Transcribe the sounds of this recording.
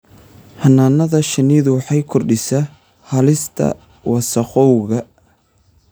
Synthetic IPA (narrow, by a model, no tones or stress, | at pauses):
hɐnːaːnɐðɐʃɐniːðʊwɑħɑjkʰɔrɖɪsɐ | hɐlɪst̪ʰɐ̰ | wɑsɐqɔwɣɐ